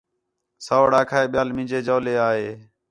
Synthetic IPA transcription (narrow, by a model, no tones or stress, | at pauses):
soːɽaːkʰaːeːɓɪjaːlmɪ̃ːd͡ʒeːd͡ʒoːleːaːɦeː